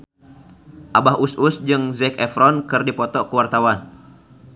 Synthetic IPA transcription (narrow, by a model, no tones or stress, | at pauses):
ʔabaɦusʔusd͡ʒɨŋzɛkɛfɾɔnkɨrdipɔt̪ɔkəwart̪awan